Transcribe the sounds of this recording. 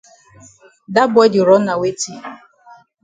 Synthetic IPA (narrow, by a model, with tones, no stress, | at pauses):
da˦bʊ˦ɛ˦d͡ʒʊ˨ɾɔ˨˦na˨we˦ti˦